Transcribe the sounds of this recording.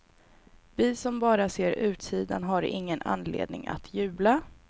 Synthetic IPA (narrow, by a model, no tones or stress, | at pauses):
vɪsɔmbɑːɾaseːɾʉ̟ːt̪siːd̪a̰nɦaɾɪ̰ŋːəna̰nlḛːd̪̚nɪ̰ŋa̰t̪ʰjʉ̟ːbla